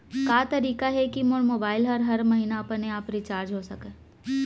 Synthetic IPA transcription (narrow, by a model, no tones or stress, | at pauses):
kaːt̪ɐɾiːkaɦɛkimʊɽmoːbaːɪlɦɐɾɦɐɾmɐɦiːnaɐpəneaːpɾit͡ʃaːɾd͡ʒɦoːsɐkẽː